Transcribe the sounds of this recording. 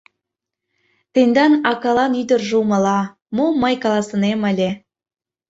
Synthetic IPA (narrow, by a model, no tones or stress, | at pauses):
t̪end̪ɑnɑkɑlɑnyd̪ə̆rʒumə̆lɑ | moməjkɑlˠɑsə̆neməlʲe